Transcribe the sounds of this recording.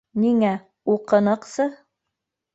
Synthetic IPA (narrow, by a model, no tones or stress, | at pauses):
niŋæ | uqɤ̆nɤ̆qsɤ